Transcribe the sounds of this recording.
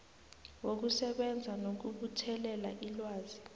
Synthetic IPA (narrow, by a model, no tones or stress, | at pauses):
wok̬usɛɓɛnd͡zʱanok̬uɓutʰɛlɛlaʔilwaːzi